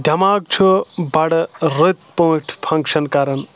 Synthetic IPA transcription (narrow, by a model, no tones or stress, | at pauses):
d̪ʲʱɐmaːk̚t͡ʃʰubɐɽɾɨt̪põːʈʰpʰɐ̃ŋkʃɐnkɐɾɐn